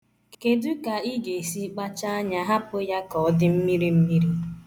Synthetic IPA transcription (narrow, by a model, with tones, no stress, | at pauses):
ke˨du˦ka˨i˦ɡe˨si˦k͡pa˦t͡ʃa˦a˦ɲa˦ɦa˦pʊ˦ja˦kɔ˨ɔ˦dɪ˦m̩˦mi˦ɾi˦m̩˦mi˦ɾi˦